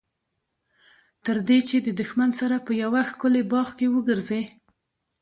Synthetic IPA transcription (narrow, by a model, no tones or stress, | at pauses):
t̪əɾd̪et͡ʃed̪əd̪ʊxmansaɾapəjawaxkʊlebɑxkewəɡəɾze